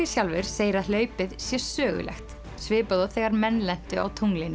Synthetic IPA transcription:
ɪsjawlvɪɾ̥seːjɾaðlœːɥpɪðsjɛ̥sœːɣʏ̰lɛ̰xt̪ | svɪːpaðaθɛɣaɾmɛnːlɛn̥t̪ʏa̰wt̪ʰuŋlɪnː

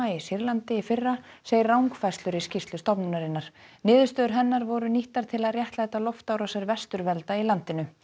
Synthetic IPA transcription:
aisiɾlant̪ɪifɪrːa | seːjɪrrawŋkfajst̪ʏɾiscist̪lʏst̪ɔpnunaɾɪnːaɾ̥nɪːðʏst̪œːðʏɾɦɛnːaɾvɔɾʏniht̪aɾ̥t̪ʰɪlaðrjɛht̪lahɛt̪ːalɔft̪awɾasɛɾvɛst̪ʏɾvɛlt̪ailant̪ɪnʏ

